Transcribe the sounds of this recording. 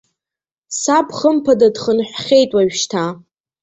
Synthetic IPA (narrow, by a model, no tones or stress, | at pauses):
sapʰχəmpʰadadχənħʷᶣχʲejtʼwaɥʃtʰa